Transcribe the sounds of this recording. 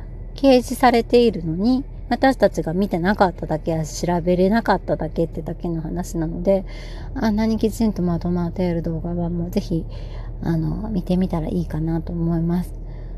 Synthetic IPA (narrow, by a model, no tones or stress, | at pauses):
ke̞ːʑisaɾe̞t̪e̞iɾɯ̟no̞ɲ̟i | βat̪aɕi̥t̪at͡ɕiɡamʲit̪e̞nakat̪ːad̪ake̞jaɕiɾabe̞ɾe̞nakat̪ːad̪ake̞t̪ːed̪ake̞no̞hanaɕinano̞d̪e̞ | anːaɲ̟ikʲit͡ɕĩnt̪o̞mad̪o̞mat̪eaɾɯ̟d̪o̞ːɡaβamo̞ːze̞çi | ano̞̰mʲit̪e̞mʲit̪aɾa̰ʔiːkanat̪o̞ːmo̞imasɨ̥